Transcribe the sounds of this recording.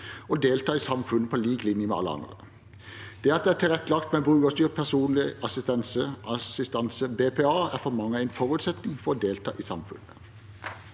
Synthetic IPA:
ɔd̪eːlt̪ʰɑːiːsɑmfʉnːəpʰɔliːɡlɪnjəmɛ̰ɑ̰ləɑ̰nd̪ʁə̰ | d̪̥ɛːɑt̪̚d̪ɛæt̪ɪlʁɛt̪ːəlɑkt̪mɛbʁʉːəst̪yːʁt̪̚pʰæʁsuːnlɪɑsɪst̪ɛnsəʔɑsɪst̪ɑnsəbeːpʰeːɑːæʁfɔmɑŋːəæɪnfɔʁʉt̪sɛt̪nɪŋfɔɾɔːd̪eːlt̪ʰɑ̰ːʔisɑmfʉ̰nə

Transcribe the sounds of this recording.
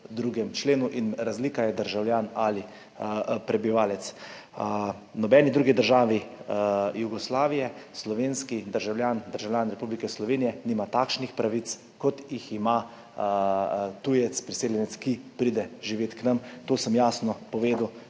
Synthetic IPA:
d̪ɾuːɡɛmt͡ʃleːnuʔinɾazliːkajɛd̪əɾʒawlʲjaːnali | pɾɛbiʋaːlɛt̪s | nɔbɛːnid̪ɾuːɡid̪əɾʒaːʋi | juɡɔslaːʋijɛslɔʋeːnskid̪əɾʒawlʲjaːnd̪əɾʒawljaːnɾɛpublikɛslɔʋeːnijɛniːmat̪aːkʃnixpɾaʋit̪s | kɔt̪jixima | t̪ujɛt̪spɾiseːljɛnɛskipɾiːd̪ɛʒiʋeːt̪knɐmt̪oːsəmjaːsnɔpɔʋeːd̪uw

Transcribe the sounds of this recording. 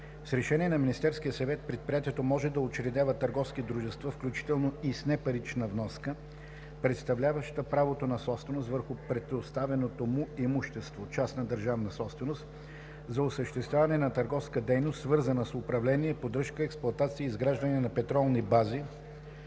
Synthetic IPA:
sɾɛʃɛniɛnɐminist̪ɛɾskijəsɐvɛt̪̚pɾɛt̪̚pɾijat̪iɛt̪omɔʒɛd̪ɐot͡ʃɾɛd̪avət̪əɾɡɔfskid̪ɾuʒɛst̪vafklʲut͡ʃi̥t̪ɛlˠnoisnɛpɐɾit͡ʃnəvnɔskə | pɾɛt̪st̪ɐvlʲavəʃt̪əpɾavot̪onɐsɔpst̪vɛnost̪vəɾxʊpɾɛt̪ost̪avɛnot̪omʊɛmuʃt̪ɛst̪vot͡ʃasnɐd̪əɾʒavnəsɔpst̪vɛnost̪ | zɐosəʃt̪ɛst̪vʲavɐnɛnɐt̪ɐɾɡɔfskəd̪ɛjnost̪svɤɾzənəsʊpɾɐvlɛniɛpod̪ɾɤʃkəɛksplʊɐt̪at̪siəizɡɾaʒd̪ɐniɛnɐpɛt̪ɾɔlˠnibazi

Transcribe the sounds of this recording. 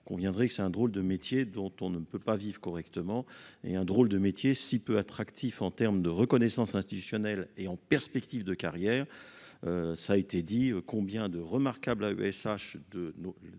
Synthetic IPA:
kɔ̃vjɛ̃d̪ʁɛkəsɛt̪ɛ̃d̪ʁold̪əmet̪jed̪ɔ̃t̪ɔ̃nəpøpavivʁəkɔʁɛkt̪əmɑ̃ḛɛ̃d̪ʁold̪əmet̪jesipøat̪χakt̪ʰifɑ̃t̪ɛʁmd̪əʁəkɔnɛsɑ̃sɛ̃st̪it̪ysjɔnɛleɑ̃pɛʁspɛkt̪ivd̪əkaʁjɛːʁøsaːet̪ed̪iøkɔ̃bjɛ̃d̪əʁəmaʁkablay̰ɛsaʃd̪əno

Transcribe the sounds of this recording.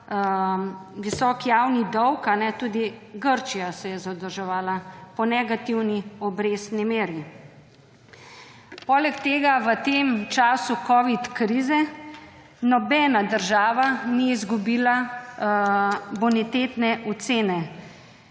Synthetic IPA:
ʋisɔːkjawnid̪ɔwkanɛt̪uːd̪iɡəɾt͡ʃijasɛjɛzad̪əɾʒɛʋaːlapɔnɛɡat̪iwniɔbɾeːst̪nimeːɾi | pɔːlɛkt̪eːɡaʋət̪emt͡ʃaːsukɔːʋit̪kɾiːzɛ | nɔbɛːnad̪əɾʒaːʋaniizɡubiːla | bɔnɛt̪eːt̪nɛʔɔt̪seːnɛ

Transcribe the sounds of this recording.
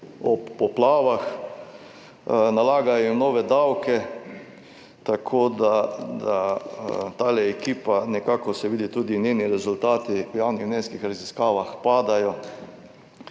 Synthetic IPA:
ɔpːɔplaːʋax | nalaːɡajɔinoːʋɛd̪awkɛ | t̪akʰoːd̪ad̪a | t̪aːlɛɛkiːpanɛkaːkɔsɛʋiːd̪it̪ud̪inʲjeːniɾɛzʊlt̪aːt̪iwjawnixnʲeːnskixɾaziskaːʋaxpaːd̪ajɔ

